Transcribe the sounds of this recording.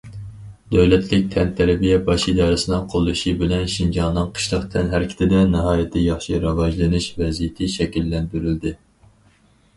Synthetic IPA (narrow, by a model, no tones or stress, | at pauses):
d̪̥øwlɛt̪ʰlɪk̚ʲt̪ʰɛnt̪ʰæɾɛbijɛbɑʃid̪ɑːɾɨsɨnɨŋqʰolˠːuʃibɪlɛnʃind͡ʒɑnnɨŋqʰə̥ʃlˠəqt̪ʰɛnɦæɾɪkʲʰɪ̥t̪ʰɪd̪ɛnɨɦɑːjɪt̪ʰɪjɑχʃiɾɑvɑʒlˠɨnɨʃvɛzijɪt̪ʰɪʃɛkʲilːɛnb̪yɾyld̪ɪ